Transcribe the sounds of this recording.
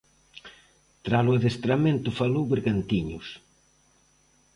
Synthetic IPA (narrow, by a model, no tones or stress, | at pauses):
t̪ɾalʊaðest̪ɾamẽnt̪ʊfalowβeɾɣant̪iɲʊ̰s